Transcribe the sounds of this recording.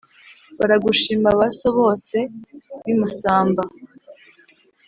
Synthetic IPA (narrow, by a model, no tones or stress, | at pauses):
βaɾaɡuʃiːmaβaso̞βo̞ːse̞βimusaːmba